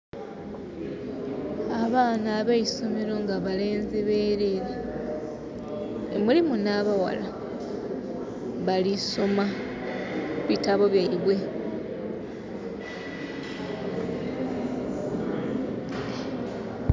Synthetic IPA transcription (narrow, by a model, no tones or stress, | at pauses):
aβaːnaːβaiso̞meɾo̞ŋɡaβale̞ːnzeβeːɾeɾa | ḛmulimunaβawa̰la | βaliso̞ma | βitaβo̞βjeiβwe̞